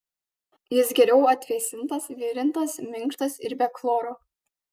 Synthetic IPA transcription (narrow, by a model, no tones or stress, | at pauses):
jɪsɡʲɛɾʲɛʊɐt̪ʲʋʲɛsʲɪnt̪ɐsʋʲɪɾʲɪnt̪ɐsmʲɪŋˑkʃt̪ɐsɪɾbʲɛklˠoːɾoː